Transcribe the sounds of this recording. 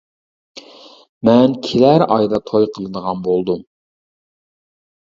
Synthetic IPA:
mɛnkʲʰelæɾɑjd̪ɑt̪ʰojqʰəlˠɨd̪əʁɑnbolˠd̪um

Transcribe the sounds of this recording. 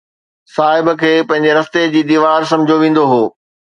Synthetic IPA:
saːɦɪb̆kʰeːpɐ̃ɦɪ̃ɲd͡ʑeɾɐst̪ed͡ʑiːd̪iːʋaːɾsɐ̃mɪd͡ʑʱoʋĩːn̆d̪oɦoː

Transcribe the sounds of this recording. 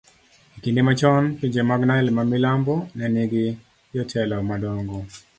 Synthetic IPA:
ikindemat͡ʃɔnpiɲd͡ʒemaɡnaɛlmamilambɔnɛniɡɪ | jɔtʰɛlɔmadɔŋɡɔ

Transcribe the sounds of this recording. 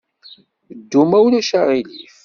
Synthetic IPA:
d̪ːumæwnæʃaʁilif

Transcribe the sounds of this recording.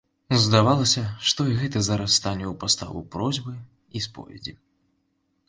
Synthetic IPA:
zd̪avalˠɐsʲɐʂt̪ɔiɣɛt̪ɐzɐɾast̪anʲɛwpast̪a̰vṵpɾɔzʲbɨ | ispɔ̰vʲɛd͡zʲi

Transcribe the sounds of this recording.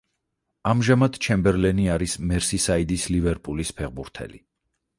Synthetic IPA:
amʒamad̪̥t͡ʃʰɛmbɛɾlɛniaɾismɛɾsisaid̪islivɛɾpʼulispʰɛʁbuɾt̪ʰɛ̰li

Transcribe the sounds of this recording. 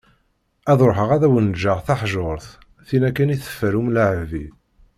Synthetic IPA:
æðoɾˤɦəʁæðæwənd͡ʒaʁθaħʒoɾˤθ | θinækːəniθə̥fːəɾumlʕvi

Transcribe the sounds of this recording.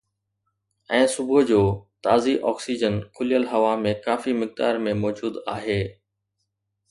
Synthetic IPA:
ɛ̃ːsʊbʊd͡ʑoːt̪aːziʔɔ̰ːksiːd͡ʑənkʰʊlijəlɦɐʋamẽkaːfimɪk̚d̪a̰ːɾmẽmɔːd͡ʑuːd̪aːɦeː

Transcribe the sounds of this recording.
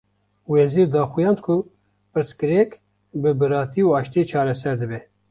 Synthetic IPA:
wɛziːɾd̪ɑːxujɑːnd̪kʰʊ | pɨɾskɨɾɛk | bɨbɨɾɑːt̪iuɑːʃt̪et͡ʃʰɑːɾɛsɛɾd̪ɨbɛ

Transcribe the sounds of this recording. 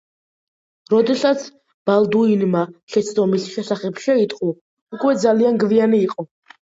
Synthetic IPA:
ɾɔd̪ɛsat̪sʰ | b̥alˠd̪uinmaʃɛt̪sʰd̪ɔmisʃɛsaχɛpʃɛit̪ʼqʼu | ukʼwɛd̪zalianɡvianiːqʼɔ

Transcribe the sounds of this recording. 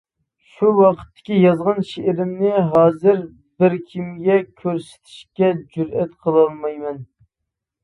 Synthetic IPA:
ʃuwɑqʰə̥t̪ʰːɪ̥kʲijɑzʁɑnʃeʔɪɾɪmnɪɦɑːzɨɾ | bɪɾkʲʰimɡʲɛkʲʰøɾsɪ̥t̪ʰi̥ʃkʲɛd͡ʒyɾɛt̪qʰəlˠɨlˠmɑjmɛn

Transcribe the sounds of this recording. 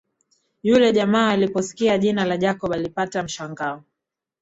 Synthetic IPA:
julɛʄamaːlipɔsi̥kiaʄinalaʄakɔɓalipatam̩ʃaŋɡaɔ

